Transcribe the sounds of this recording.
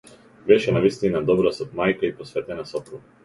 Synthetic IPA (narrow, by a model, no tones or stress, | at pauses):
bɛʃɛnavist̪inad̪ɔbɾasɔt̪majkaipɔsvɛt̪ɛnasɔpɾuɡa